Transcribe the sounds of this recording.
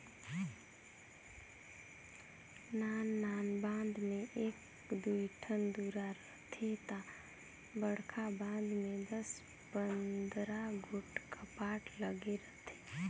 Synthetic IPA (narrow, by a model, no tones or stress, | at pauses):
naːnːaːnbãːnd̪mẽʔeːk | d̪uiʈʰənd̪uːɾaɾət̪ʰet̪a | bəɽkʰabãːnd̪mẽd̪əs | pənd̪ɾaɡʱʊʈkapaːʈləɡeɾət̪ʰe̥